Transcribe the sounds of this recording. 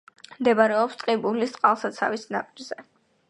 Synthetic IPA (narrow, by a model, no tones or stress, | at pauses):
md̪ɛbaɾɛɔpst̪ʼqʼibulist̪ʼqʼalˠsat̪sʰa̰visnapʼiɾzɛ